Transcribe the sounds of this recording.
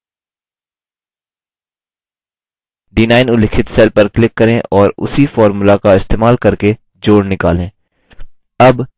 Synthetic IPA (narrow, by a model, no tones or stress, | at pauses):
ɖinaːɪnʊlɪkʰɪt̪sɛːlpɐɾklɪkːɐɾẽʔɔːɾʊ̰sifɔːɾmulakaɪst̪eːmaːlkɐɾke | d͡ʒoːɽnɪka̰ːlẽː | ɐb